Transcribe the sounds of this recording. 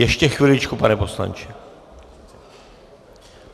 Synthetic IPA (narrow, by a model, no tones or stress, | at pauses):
jɛʃcɛxʋɪlɪt͡ʃkupanɛpo̞sla̰nt͡ʃɪ